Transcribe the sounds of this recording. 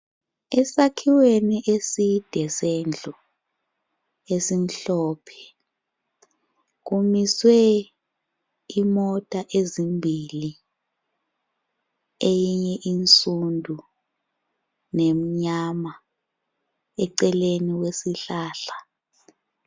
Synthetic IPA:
ɛsakʰiweniʔesid̥ʱɛsend͡ɮʱu | esim̩ɬɔːpʰɛ̥ | ɣ̬umiswɛ | imɔtʼaʔezimbʱili | ejiɲɛʔint͡sʼundʱu | nem̩ɲama | ɛǀɛleniwesiɬaːɬa

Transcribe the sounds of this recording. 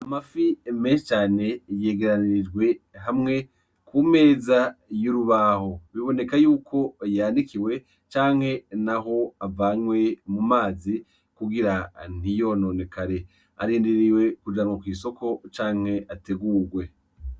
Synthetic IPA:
amafimeʃt͡ʃaːne̞je̞ːɡe̞ɾaniɾid͡ʒɡwe̞ɦamŋe̞ | kume̞ːzajuɾuβaho̞βiβo̞ne̞kajuːkʰo̞jaːndikiwe̞ | t͡ʃaːŋ̥he̞naɦo̞avaːɲwe̞mumaːzi | kuɡiɾan̥ijo̞noːne̞kaɾe̞ | a̰ɾiːndiɾiwe̞kud͡ʒamwokwiːso̞kʰo̞t͡ʃaːŋ̥he̞ʔate̞ɡuːɡwe̞

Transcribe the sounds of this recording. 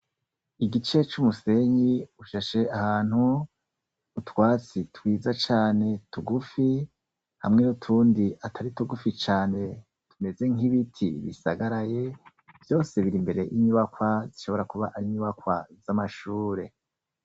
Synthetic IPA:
iɡit͡ʃe̞t͡ʃumuse̞ɲiuʃaʃe̞ʔahaːn̥hu | utwaːt͡sitwiːzat͡ʃaːne̞tuɡufi | ha̰mŋe̞nutʰuːndiatʰaɾituɡufit͡ʃaːne̞ | tʰume̞ze̞ŋiβitʰḭβḭsaɡaɾaje̞ | vjo̞ːse̞βiɾimbe̞ɾe̞jʔiɲuβakwaziʃo̞βo̞ɾakuβaʔaɾiɲuβakwazamaʃuːɾe̞

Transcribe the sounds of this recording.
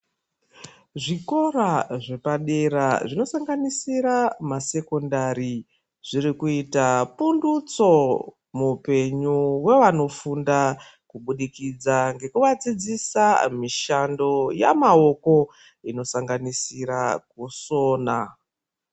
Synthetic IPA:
ʐiko̞ɾaʐe̞paɗeɾaʐino̞saŋɡanisiɾamase̞ko̞ndaɾi | ʐ̥iɾikuitapundut͡so̞ | mupe̞ɲuwe̞ʋano̞funda | kuɓuɗikid͡zaŋɡe̞kuʋad͡zid͡zisamiʃando̞ja̰mao̞ko̞ | ino̞saŋɡanisiɾak̚uso̞ːna

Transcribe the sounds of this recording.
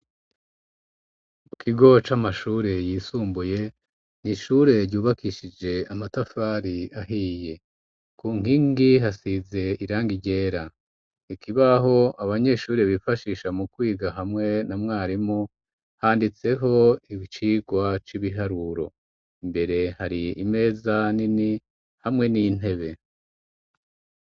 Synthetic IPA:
mukʰiɡo̞t͡ʃamaʃuːɾe̞jiːsuːmbuje̞ | niʃuːɾe̞ɾɟuːβakiʃid͡ʒe̞amatafaɾiaɦiːje̞ | kuːŋ̥iŋɡiɦasize̞iɾaːŋɡiɟe̞ːɾa | ikʰiβaɦo̞aβaɲe̞ʃuːɾeβifaʃiːʃamukwiːɡaɦamŋe̞namŋaːɾimu | haːndit͡se̞ɦo̞iβit͡ʃiːɡwat͡ʃiβiɦaɾuɾo̞̰ | imbe̞ɾe̞haɾiime̞ːzanini | hamŋe̞nin̥e̞βe̞

